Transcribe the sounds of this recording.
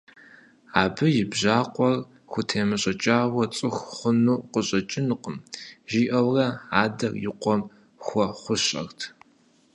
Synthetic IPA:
aːbɨjɪbʑaːqʷʼɔr | xʷʊtʰeːmɨɕʼɐt͡ʃʼaːwɐt͡sʼɨxχʷʊnuːqəɕʼɐt͡ʃʼɪnɨqəmʒiːʔɐwrɐaːdɐrjɪqʷɔm | xʷɔχʷʊɕʼɐ̰rtʰ

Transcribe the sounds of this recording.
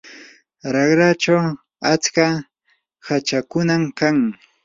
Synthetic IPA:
ɾɑχɾat͡ʃaw | at͡ska | hat͡ʃakʊnamkaŋ

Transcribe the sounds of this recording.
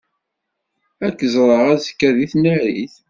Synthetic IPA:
ækːəzˤɾˤəʁæzəkːæðiθnəɾiθ

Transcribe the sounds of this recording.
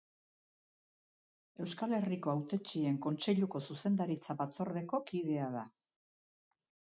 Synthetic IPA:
e̞wskale̞riko̞awt̪e̞t͡ʃie̞ŋko̞nt͡se̞ʎuko̞suse̞nd̪aɾit͡saβat͡so̞ɾðe̞ko̞kiðe̞aða

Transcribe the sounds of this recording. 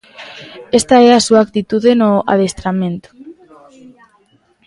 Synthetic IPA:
est̪aeasuaːk̚t̪it̪uðenoa̰ð̞est̪ɾamẽnt̪o̥

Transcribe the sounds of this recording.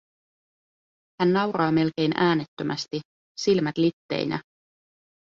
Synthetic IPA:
hænːɑwɾɑːme̞lk̟e̞jnʔæːnet̪ːømʔæst̪i | silmæt̪lit̪ːe̞̰jnʔæ̰

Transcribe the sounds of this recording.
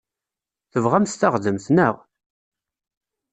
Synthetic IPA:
θəvʁæmst̪əχðəmθnəʁ

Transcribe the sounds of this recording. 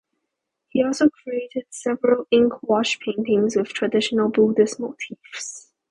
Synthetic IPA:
hiɔlˠsokʰɹietəd̥sɛvəɹəlɪ̃ŋkʰwɔʃpʰẽɪ̃ntɪ̃ŋswɪð̥tʰɹ̥ədɪʃənəlˠbudɪsmotʰivs

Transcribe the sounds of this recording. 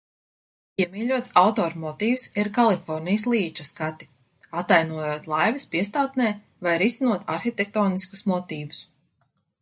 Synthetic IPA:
iɛmiːʎʲuɔt̪sawt̪ɔːɾmɔt̪iːfsiɾkalˠifɔɾnijslˠiːt͡ʃaskat̪i̥ | at̪ːajnuɔjuɔt̪lˠajvispiɛst̪aːt̪nɛː | vajɾisinuɔt̪aɾxit̪ʲek̚t̪ɔːnisku̥smɔt̪iːvu̥s

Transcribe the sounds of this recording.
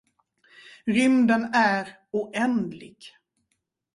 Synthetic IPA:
ɾʏmd̪ənæɾ | uʔɛnd̪lɪɡ̥

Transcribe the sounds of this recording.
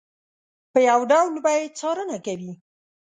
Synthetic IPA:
pəjawɖawlbajed̪̚t͡sɑɾənakawi

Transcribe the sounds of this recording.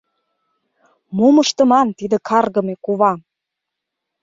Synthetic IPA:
mumɤʃt̪ɤ̆mɑnt̪id̪ə̆kɑrɣɤ̆mekuβɑ

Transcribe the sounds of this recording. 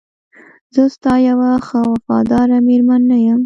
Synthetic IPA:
zəst̪ɑjawaxawafɑd̪ɑɾameɾmanːajəm

